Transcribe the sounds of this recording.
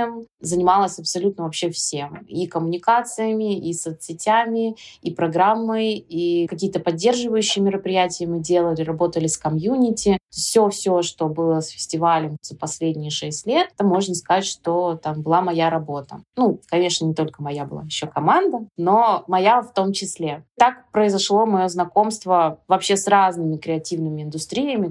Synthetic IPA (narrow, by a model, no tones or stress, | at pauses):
əmzənʲɪmalˠəsʲɐpsɐlʲut̪nəvɐpɕːefsʲe̞mikəmʊnʲɪkat̪sɨjəmʲɪʔisot̪sʲɪtʲæmʲɪipɾɐɡɾamːɨjikɐkʲijət̪əpɐdʲːe̞rʐɨvəjʉɕːɪjəmʲɪɾəpɾʲɪjætʲɪjəmɨdʲelˠəlʲɪɾɐbo̞t̪əlʲɪskɐmjunʲɪtʲɪt̪ofsʲofsʲoʂt̪o̞bɨlˠəsfʲɪ̥sʲtʲɪvalʲəmz̥əpɐsʲlʲedʲnʲɪjəʂɛsʲtʲlʲe̞t̪ːamːo̞ʐnəskɐatʲʂt̪o̞t̪ambɨlˠamɐjaɾɐbo̞t̪ə̰nukɐnʲe̞ʂnənʲɪt̪o̞lʲkəmɐjabɨlˠa̰jɪɕːokɐmand̪əno̞mɐjaft̪o̞mt͡ɕɪsʲlʲet̪akpɾəɪzɐʂlˠo̞mɐjo̞znɐko̞mst̪vəvɐpɕe̞sraznɨmʲɪkɾʲɪɐtʲivnɨmʲɪɪnd̪ʊst̪ɾʲijəmʲɪ